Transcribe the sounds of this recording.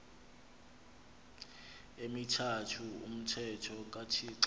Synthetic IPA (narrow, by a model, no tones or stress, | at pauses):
emitʰatʰuṵm̩tʰɛtʰɔk̬ʼatʰiǀ